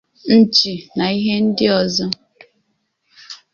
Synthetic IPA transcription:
n̩˦t͡ʃi˨na˨i˦ɦe˦n̩˦dɪ˦ɔ˨zɔ˦

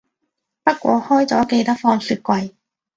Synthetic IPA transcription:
pɐ˥t̚kʷɔ̰ː˨˥hɔː˥jt͡sɔː˨˥ke˧jt̪ɐ˥k̚fɔː˧ŋsyː˨˧t̚kʷɐ˧j

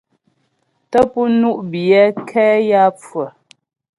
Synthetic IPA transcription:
tə˦pu˦nu˦ʔbjɛ˦kʰɛː˦ja˦p͡fwə˨

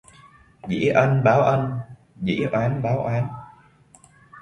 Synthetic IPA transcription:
zḭ˧˥ʔə˧nɓaː˨˦wʔə˧n | zḭ˧˥ʔwaː˨˦nɓaː˨˦wʔaː˨˦n

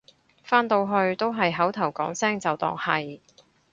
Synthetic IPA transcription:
faː˥nt̪o˧wɦɵ˧ɥt̪o˥wɦɐ˨jɦɐ˨˥wt̪ʰɐ˨˩wkɔː˨˥ŋsɛː˥ŋt͡sɐ˨wt̪ɔ̰ː˨˩ŋhɐ˨j

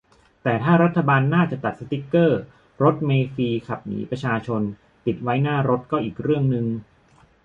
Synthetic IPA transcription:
t̪ɛː˨˩t̪ʰaː˥˩ɾa˦˥t̪ʰːa˧baː˧nːaː˥˩t͡ɕa˨˩t̪a˨˩t̪̚sa˧t̪i˦˥kːɤː˥˩ | ɾo˦˥t̪̚meː˧fiː˧kʰa˨˩p̚nḭː˩˦pɾa˧t͡ɕʰaː˧t͡ɕʰo˧n | t̪i˨˩t̪̚wa˦˥jnaː˥˩ɾo˦˥t̪̚kɔː˥˩ʔiː˨˩k̚ɾɯ˥˩əŋnɯ˧ŋ

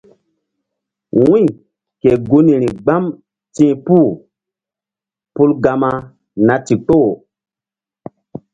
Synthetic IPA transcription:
wĩ˦˨ | ke˨ɡu˦nĩ˨ɾi˨ɡ͡ba˦m | tĩː˦pu˦˨ | pu˦lɡa˧ma˦ | na˨ti˨k͡po˦˨

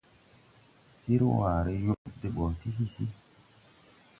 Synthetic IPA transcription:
si˦ɾwaː˨ɾe˦jo˦de˦ɓo˨ti˦si˦si˦

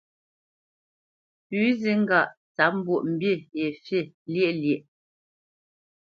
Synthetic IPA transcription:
pʉ˨˦zi˦ŋ̩˦ɡa˨ʔ | t͡sa˨˦m̩˦bwo˨ʔm̩˨bje˦˨e˨fje˦˨ | lje˦ʔljɛ˨ʔ

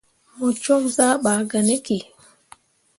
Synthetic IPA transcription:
mɔ˨t͡ʃɔ˦ŋzaː˦ɓaː˨ɡa˨ne˦ki˨

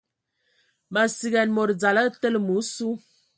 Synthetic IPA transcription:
ma˨si˨ɡɛ˨nmo˨ɾd͡za˨la˦tə˦lmu˨˦su˦

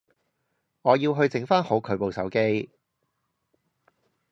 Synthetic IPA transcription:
ŋɔː˨˧jiː˧wɦɵ˧ɥt͡sɪ˨˥ŋfaː˥nho˨˥wkʰɵ˨˧ɥpo˨˧wsɐ̰˨˥wke˥j

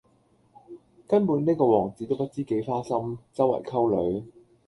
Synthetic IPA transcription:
kɐ˥npuː˨˥nneː˥kɔː˧wɔː˨˩ŋt͡siː˨˥t̪o˥wpɐ˥t̚t͡siː˥ke˨˥jfaː˥sɐ˥mt͡sɐ˥wːɐ̰˨˩jkʰɐ˥wlɵ˨˥ɥ

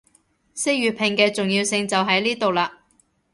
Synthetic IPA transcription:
se˥jɥyː˨t̚pʰɪ˨˩ŋkɛː˧t͡sʊ˨ŋjiː˧wsɪ˧ŋt͡sɐ˨wɦɐ˨˥jliː˥t̪o˨wlaː˧

